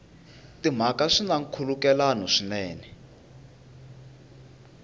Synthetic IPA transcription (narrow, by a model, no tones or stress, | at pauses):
tim̤akaʂinaŋ̩kʰulukɛlanɔʂinɛːnɛ